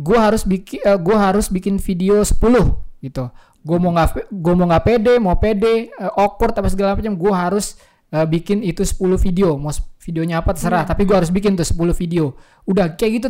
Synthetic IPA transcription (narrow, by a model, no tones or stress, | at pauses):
ɡuɛɦaɾʊsbikɪəɡuɛɦaɾʊsbikɪnfideosə̥pulʊhɡit̪u | ɡuɛmoŋɡaɡuamoŋɡapedɛmapedɛəʔokɔrt̪apasəɡalaapat͡ʃamɡuɛɦaɾʊs | əbikɪnit̪usə̥pulʊhfideomasfideoɲaːpat̪əsəɾaht̪apiɡuahaɾʊs̬bik̬ɪnt̪ʊhsə̥pulʊhfideo | udahkajaɡit̪u